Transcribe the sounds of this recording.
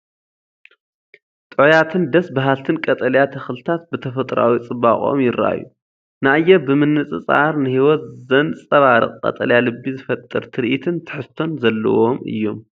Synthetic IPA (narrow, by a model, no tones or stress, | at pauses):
t̪ʼɨʕjat̪ʰɨnd̪ɐsbaɦalt̪ʰɨnkʼɐt̪ʼɐljat̪ʰɐxlɨt̪ʰat̪̚bɨt̪ʰɐfɐt̪ʼɾa̰wit͡sʼɨβaχʼo̞̰mjɪɾːa̰jːṵ | najːɛbɨmɨnːɨt͡sʼɨt͡sʼa̰ɾnɨhiwɔt̪zɐnt͡sʼɐβaɾɨ̰qʼkʼɐ̰t̪ʼɐ̰ljalɨbːizɨfɐt̪ʼːɨɾt̪ʰɨɾʔit̪ʰɨnt̪ʰɨ̥ħɨst̪ʰːo̞nzɐlːɐ̰wo̞mɨ̰jːo̞m